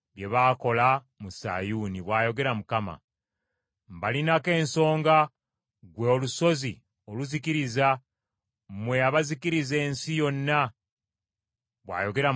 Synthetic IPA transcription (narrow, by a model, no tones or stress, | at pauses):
βje̞βaːko̞la | musa̰ːjuːniβwaːjo̞ɡe̞ɾamukama̰ | mbalinake̞ːnso̞ːŋɡa | ɡwe̞oluso̞zi | oluzikiɾiza | mwe̞aβazikiɾize̞ːnsijo̞nːa | βwa̰ːjo̞ɡe̞ɾa